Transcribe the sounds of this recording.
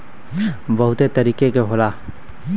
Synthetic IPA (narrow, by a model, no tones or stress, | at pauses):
bɐɦʊt̪et̪ɐɾiːkekeɦoːlaː